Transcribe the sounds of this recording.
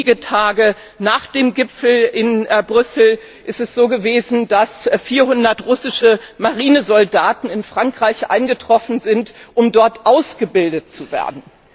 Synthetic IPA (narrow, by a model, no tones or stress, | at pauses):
ɡətʰaːɡə | naːχd̥eːmɡɪpp͡fl̩ɪnbʁʏsl̩ | ʔɪstɛsz̥oːɡəveːzn̩dasfiːɐhʊndɐtʁʊsɪʃəmaʁiːnəzɔldaːtn̩ɪnfʁ̥aŋkʁ̥aɪçʔa̰ɪnɡətʁ̥ɔfn̩zɪntʔʊmdɔɐtʔaʊsɡ̥əbɪldət̚t͡suvḛːɐdn̩